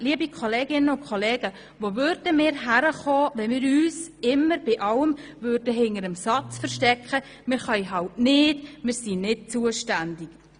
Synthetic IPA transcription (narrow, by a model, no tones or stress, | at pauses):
liəbikʰoleːɡɪnənʊnkʰoleːɡ̥ə | ʋoːvøɾdəmɪːɾɦæɾəχɔːʋɛnmɪːɾyːsɪmːəɾbɪʔɑləmvøɾdəɦɪnəɾəmsɑt͡sfəɾʃtɛkχə | mɪːɾχœjɦɑwtnɪːdmɪːɾsinɪt̚t͡suəʃtændɪk